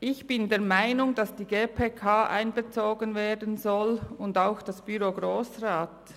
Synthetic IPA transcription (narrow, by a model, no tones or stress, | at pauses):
ʔɪçb̥ɪndeːɐmaɪnʊŋd̥ɑsd̥iːɡeːpʰeːkʰaːʔa̰ɪnbət͡soːɡənveːdən̩zɔlʊndaʊxd̥ɑsb̥yɾoːɡɾoːsʁaːt